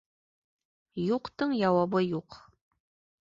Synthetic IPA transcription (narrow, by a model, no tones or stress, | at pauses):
juqt̪ɤɴjɑwɑβɤjuq